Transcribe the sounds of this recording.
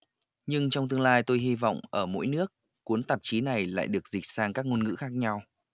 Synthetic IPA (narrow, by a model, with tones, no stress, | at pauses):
ɲɨ˧ŋt͡ɕɔ˧ŋ͡mt̪ɨ˧əŋlaː˧jt̪o˧jɦi˧vɔ̰˧˨wŋ͡mʔəː˧˩mo̰˧˥jnɨ˦˥ək̚ːu˨˦ənt̪ə˨˩p̚t͡ɕi˨˦na˨˩jla̰ː˧˨jɗɨ˨˩ək̚zï˨˩k̟̚saː˧ŋkaː˦˥k̚ŋo˧nŋɨ̰˧˥xaː˦˥k̚ɲa˧w